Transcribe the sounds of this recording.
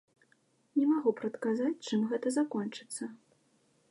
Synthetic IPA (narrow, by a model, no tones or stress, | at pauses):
nʲɛmaɣupɾɐt̪kazat͡sʲt͡ʂɨmɣɛt̪ɐzakɔnt͡ʂɨ̥t̪sːɐ